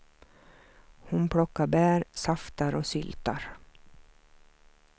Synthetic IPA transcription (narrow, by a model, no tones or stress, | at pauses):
hʊnpʰɽɔkːaɾbæːɾsaft̪aɾɔsʏlt̪a̰ɾ